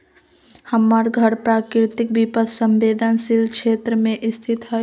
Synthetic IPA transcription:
həmːaːɾɡʱəɽpɾaːkɾɪt̪ɪk̚bipəssə̃mʋeːd̪ʱənsɪlkʃeːt̪ɾəmẽʔɪst̪ʰɪt̪ɦɛ

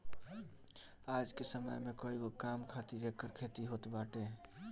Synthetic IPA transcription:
aːd͡ʒkesəmə̰jmekoːiɡokamkʰat̪iɾekːəɾkʰet̪iɦot̪baʈe

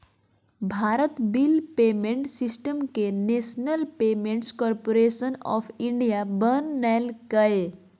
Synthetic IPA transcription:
bʱaɾət̪bilpemeɳʈsisʈəmkenesnəlpemẽɳʈskɔɾpoɾesənɔ̰pʰiɳɖijabənːɛlkəe

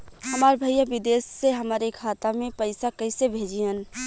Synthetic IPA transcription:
həmaːɾbʱəjəʋɪd̪eːsːeɦəmaːɾekʰaːt̪amẽpəɪsakəɪsebʱeːd͡ʒiən

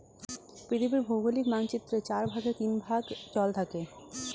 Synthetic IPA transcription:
pɾit̪ʰibiɾbʱowɡolikmaŋt͡ɕit̪ːɾet͡ɕaɾbʱaɡeɾt̪inbʱaɡt͡ɕɔlt̪ʰake

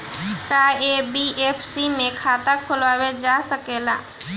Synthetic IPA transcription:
kaebiʔeːpʰsimẽkʰaːt̪akʰʊlʋaːwed͡ʒaːsəkeːlaː

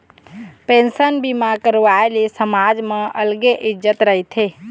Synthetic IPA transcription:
pensənbimakəɾʋaelesəmad͡ʒmẽʔəlɡeʔɪd͡ʒət̪ɾəɦit̪ʰe

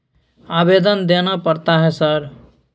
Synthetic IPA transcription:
aːbed̪ənd̪enapəɾt̪aɦɛsəɾ

